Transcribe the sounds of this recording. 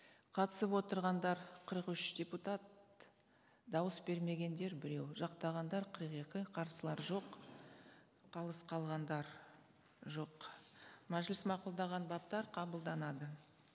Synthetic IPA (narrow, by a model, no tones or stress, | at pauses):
qʰɑt̪ə̥səpwo̞t̪əɾʁɑnd̪ɑɾqʰəɾəqʏʃd̪̥ʲe̞put̪at̪̚ | d̪ɑwəsbe̞ɾme̞ɡʲe̞nd̪e̞ɾbɪɾe̞wʒɑqt̪ɑʁɑnd̪ɑɾqʰəɾəqe̞kʲɪqʰɑɾsəlˠɑɾʒo̞q | qʰɑlˠəsqʰɑlˠʁɑnd̪ɑɾ | ʒo̞q | mæʒlɪsmɑqulˠd̪ɑʁɑnbɑp̚t̪ɑɾqʰɑbəlˠd̪ɑnɑd̪ə